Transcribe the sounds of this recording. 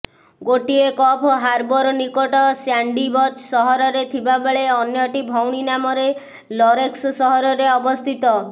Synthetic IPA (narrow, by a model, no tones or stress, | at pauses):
ɡoʈiekɔpʰɔɦaɾbɔɾɔnikɔʈɔsjaɳɖibɔt͡ʃsɔɦɔɾɔɾet̪ʰibabeɭeɔnjɔʈibʱɔwɽ̃inamɔɾe | lɔɾekssɔɦɔɾɔɾeɔbɔst̪ʰit̪ɔ